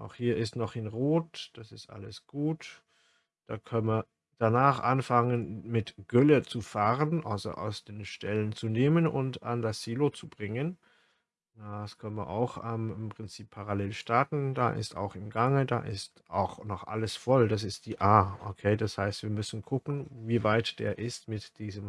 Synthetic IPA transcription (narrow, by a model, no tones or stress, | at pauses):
ʔa̰ʊxhiːɐʔɪstnɔχɪnʁoːtd̥asɪstʔa̰ləsɡ̥uːt | d̥aːkʰœnmiːɐ | d̥anaːχʔanfaŋənmɪtɡ̥ʏlət͡sufaːʁənʔa̰lzo̰ʔa̰ʊsd̥eːnʃtɛlənt͡suneːmənʊ̰nta̰ndasz̥iːlot͡subʁɪŋən | aaskʰœnənviːɐʔa̰ʊxʔɛmɪmpʁ̥ɪnt͡siːpʰːaʁaleːlʃtaɐtn̩d̥a̰ːʔɪ̰sta̰ʊxɪmɡaŋəda̰ʔɪst | aʊxnɔχʔa̰ləsfɔldasɪst̚d̥iːʔaːʔokʰeːdashaɪstv̥iːɐmʏsn̩kʰʊkn̩viːvaɪtd̥ḛːɐʔɪstmɪtd̥iːzəm